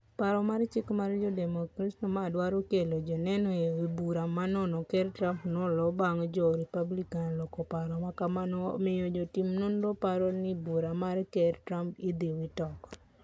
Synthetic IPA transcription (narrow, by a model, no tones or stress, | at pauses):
paɾɔmaɾt͡ʃɪkmaɾd͡ʒɔdɛmɔkɾasnɔmadwaɾokelod͡ʒɔnɛnɔeibuɾamanɔnɔkɛɾtɾampnɔlɔbaŋd͡ʒɔɾipablikanlɔkɔpaɾɔmakamanɔ̰mejod͡ʒotimnondopaɾɔnibuɾamaɾkɛrtɾampɪd̪iwɪtɔkɔ̥